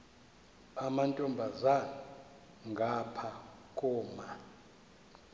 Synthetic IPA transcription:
amantʼɔmbʱazana | ŋɡʱapʰakʼɔːma

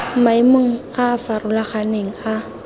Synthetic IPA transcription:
m̩maimoŋ̩ | afarʊlaχaneŋ̩a

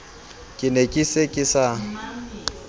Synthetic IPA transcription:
kʼɪnekʼisekʼɪsa

